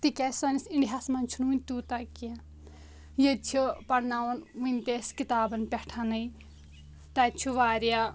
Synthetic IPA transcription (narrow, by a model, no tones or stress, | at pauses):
t̪ikʲasɐnisiɳɖiɦasmɐnʲt͡ʃʰununʲt̪ut̪akiã | jɐt͡ʃʰipɐɽnaːwɐnʋɨnʲt̪eːskit̪aːbɐnpʲɛʈʰanɐi | t̪ɐt͡ʃʰuʋaːɾja